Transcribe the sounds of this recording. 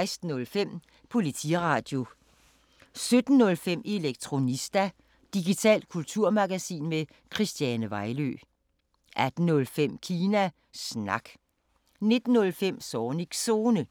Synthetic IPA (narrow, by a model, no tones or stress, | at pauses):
ɪsd̥n̩ɔ̽lfem̰ | pʰo̝lit͡sʰḭʁɑ̈ːd̥jo̝ | sød̥n̩ːɔ̽lfem̰e̝leɡ̥̚t͡sʰʁo̝nisd̥æ | d̥iɡ̥it͡sʰɛ̰ːld̥̚kʰult͡sʰuɐ̰mɑɡ̥æsḭːnme | kʰʁisd̥jænəʋɑ̈ɪlø̰ː | ʔæd̥n̩ɔ̽lfem̰kʰiːnæ | snɑ̈ɡ̥ | ne̝d̥n̩ːɔ̽lfem̰sɒːniɡ̥so̝ːnə